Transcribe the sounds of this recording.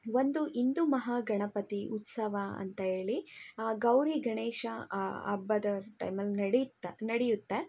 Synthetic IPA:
ʋond̪uʔind̪umɐɦɐɡɐɳɐpɐt̪iʔut̪sɐʋɐɐ̰nt̪ɐɦe̞ːɭiɡɐwɾiɡɐɳeːʃɐɐ̰bːɐd̪ɐʈɐ̰jmɐlːnɐɽnɐɽɛjut̪ːe

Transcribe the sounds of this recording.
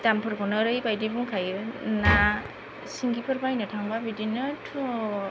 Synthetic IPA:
tampʰɯɾbɔnɯɾɯjbajdibuŋkʰajɯna | siŋɡipʰɯɾbajnɯtʰaŋbabidinɯtʰu

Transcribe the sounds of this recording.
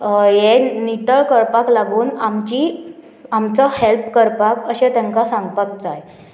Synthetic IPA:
jenit̪əɭkəɾpaklaɡuːnamt͡ɕiː | amt͡sɔhelpkəɾpakəɕẽt̪ɛ̃ŋkasãŋɡpakt͡saɦj

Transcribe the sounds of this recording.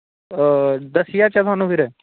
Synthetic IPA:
d̪əsɪjat͡ʃat̪ʰʊaːnũːpʰɪɾɛː

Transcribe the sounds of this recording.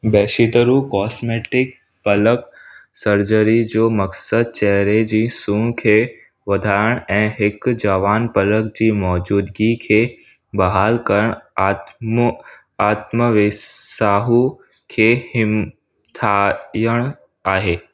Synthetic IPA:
bɛːʃit̪əɾukɔːsmeːʈɪk | pɐləksəɾd͡ʑəɾid͡ʑoːmɐksəd̪̚t͡ɕɛɦɾed͡ʑiːsũːkʰeː | ʋɐd̪ʱaəɽ̃ɛ̃ːɦɪkd͡ʑəʋaːnpɐlək̚d͡ʑiːmɔːd͡ʑuːd̪ɡikʰeː | bɐɦaːlkəɾəɽ̃ | m | aːt̪məʋɪsaːɦu | kʰeːhɪm | t̪ʰajəɽ̃ | aːɦeː

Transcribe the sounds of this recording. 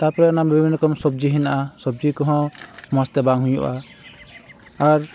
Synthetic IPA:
t̪aɹpɔɾɛːnabibʱbʱinːɔkɔmsɔb̚d͡ʒiɦinaʔasɔb̚zikɔɦɔ̃mɔst̪ɛbaŋɦujṵʔa | aɹ

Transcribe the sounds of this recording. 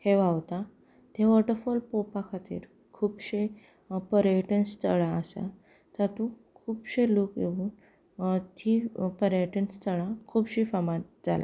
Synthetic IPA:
heʋaʋt̪a | t̪eʋəɾʈəɾfɔlpopakʰat̪ḭːɾ | kʰuːbɕe | pəɾeʈenst̪ʰəɭãəsa̰ | t̪at̪ũ | kʰuːbɕelokjeuːn | t̪ʰipəɾeʈenst̪ʰəɭãkʰuːbɕifamat̪̚d͡za̰la̰

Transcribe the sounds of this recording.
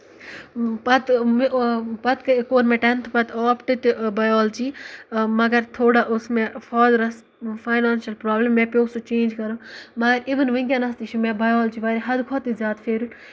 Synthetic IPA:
pɐt̪mpɐt̪kɐkoːɾmẽʈɐnt̪ʰpɐt̪ɔːpʈɨt̪bɐjɔːlt͡ʃiːmɐɡɐɾt̪ʰoːɽaʔʊsmẽfʰɔːd̪ɾɐs | fʰaːjnaːnʃɐlpɾaːblɐmːẽːpʲjoːsut͡ʃẽːnd͡ʒkɐɾũːmɐɡɐɾiʋənʋɐŋɡʲanɐst̪it͡ʃʰumẽbɐjoːlt͡ʃiʋaːɾiɦɐd̪kʰɔːt̪izjaːt̪fʰeːɾu

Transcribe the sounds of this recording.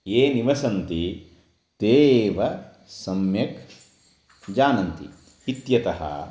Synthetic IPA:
eːniʋɐsɐnt̪i | d̪̥eːʋɐ | sɐmjɐk | d͡ʒaːnɐnt̪ḭ | it̪jɐt̪ɐɦɐ̰

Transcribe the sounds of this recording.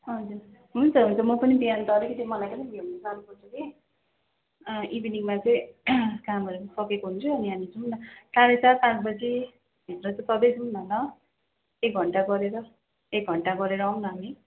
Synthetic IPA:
ɦʌd͡zuɾ | ɦunt͡sʰʌɦunt͡sʰʌmʌpʌnibijant̪ʌɾekʰit̪imʌlajkʌnʌ̃bʱenʌsʰaʌlupʌrt͡sʰʌki | ʔibiniŋmat͡sʌj̃kamʌɾusʌkekoɦunt͡sʰuʌniɦamit͡sʰunnʌtaɾisʰat̪ãt͡sbʌt͡si | ɦenrʌt͡sʌt̪ʌbesʰunnʌnʌ | ek̚ɡʱʌɳʈaɡʌɾeɾʌ | ek̚ɡʱʌɳʈaɡʌɾeɾʌaw̃nʌɦami

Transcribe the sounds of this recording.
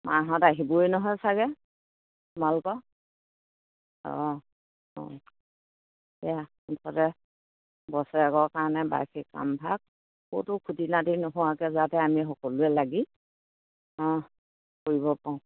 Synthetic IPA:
mʔa̰ɦɔtaɦibɔjnɔɦɔjsaɡɛ | malkɔ | ɔ̰̃ | ɔ̰̃ | ɛja | utʰɔtɛ | bɔsɛɛkɔɹkaɹnɛba̰jkʰikka̰mbʱak̚ | xo̰tʊkʰutinatinɔɦɔwakɛzatɛamiɦɔkɔlʊɛlaɡi | ɔ̃ | koɹibɔpaʊ̃

